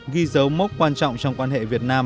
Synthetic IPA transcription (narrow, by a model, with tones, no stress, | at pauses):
ɣi˧zə˨˦wmə˦˥t̚kwaː˧nt͡ɕɔ̰˧˨wŋ͡mt͡ɕɔ˧wŋ͡mkwaː˧nhḛ˧˨vi˨˩ət̚naː˧m